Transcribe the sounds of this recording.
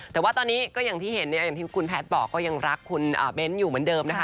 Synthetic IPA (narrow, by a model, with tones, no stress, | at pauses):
t̪ɛː˨˩waː˥˩t̪ɔː˧nːiː˦˥kɔː˥˩ja˨˩ŋt̪ʰiː˥˩he˩˦nːi˥˩ja˨˩ŋt̪ʰiː˥˩kʰu˧npʰɛː˦˥t̪̚bɔː˨˩kːɔː˥˩ja˧ŋɾa˦˥kʰːu˧nʔa̰ː˨˩be˦˥njuː˨˩mɯ˩˦ndɤː˧mna˦˥kʰa˦˥